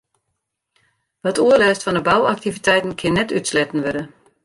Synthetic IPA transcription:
ʋɔtʰuəlɛːstfɔndəbawak̚tivitʰɛjtn̩kʰɪnːɛtytslɛtn̩ʋødə

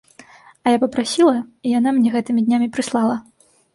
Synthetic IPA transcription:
ɐjapɐpɾasʲilˠɐijan̪amnʲɛɣɛt̪ɨmʲid̪ʲnʲamʲipɾɨslˠalˠɐ

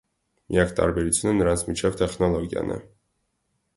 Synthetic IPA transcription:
mijɑkʰt̪ʼɑ̰ɾbɛɾut͡sʰjunənəɾansʰmit͡ʃʰɛvt̪ʰɛχnɔlˠɔɡjɑ̰nʔɛ̰

